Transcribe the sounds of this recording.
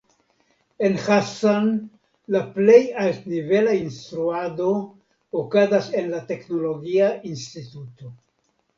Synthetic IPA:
e̞nhasan | laplejaltnive̞lainst̪ɾuado̞ː | kazase̞nlate̞kno̞lo̞ɡiainstituto̞

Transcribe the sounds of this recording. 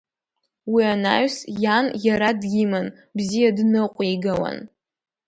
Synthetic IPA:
wiana̰ɥsjanjaɾadɡʲiman | bzijadnɨqʷʼijɡawa̰n

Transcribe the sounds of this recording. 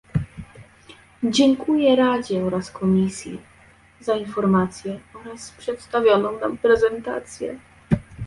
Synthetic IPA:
d͡ʑɛŋkujɛɾad͡ʑɛɔɾaskʰɔmʲisʲjḭ | zainfɔɾmat̪sʲjɛɔɾaspʂɛt̪st̪avʲjɔnɔ̃w̃nampɾɛzɛnt̪a̰t̪sʲjɛ̰

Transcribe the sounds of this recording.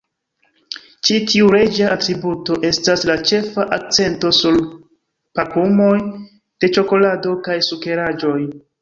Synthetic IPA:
t͡ʃitʰiuɾe̞d͡ʒaʔatɾibuto̞ʔe̞staslat͡ʃe̞faʔak̚t͡se̞nto̞sul | pakumo̞j | d̥e̞t͡ʃo̞ko̞lado̞kajsuke̞ɾad͡ʒo̞j

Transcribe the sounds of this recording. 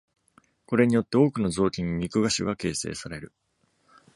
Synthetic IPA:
ko̞ɾe̞ɲ̟ijo̞t̪ːe̞o̞ːkɯ̟no̞zo̞ːkʲĩnomʲikɯ̟ɡaɕḭɡake̞ːse̞̰ːsaɾe̞ɾɯ̟

